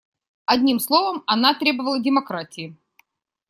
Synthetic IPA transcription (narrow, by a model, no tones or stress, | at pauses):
ɐdʲnʲimslˠovəmɐnat̪ɾʲe̞bəvəlˠədʲɪmɐkɾatʲɪɪ